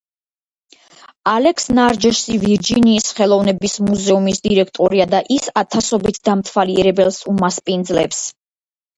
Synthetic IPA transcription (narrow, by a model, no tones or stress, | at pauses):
alɛkʰsnaɾd͡ʒɛʃsiviɾd͡ʒiniːsχɛlˠɔvnɛbismuzɛumisd̪iɾɛk̚ʰt̪ʼɔɾiad̪aʔisat̪ʰasɔbit̪ʰd̪̥amt̪ʰwaliɛɾɛbɛlˠsumaspʼind̪zlɛps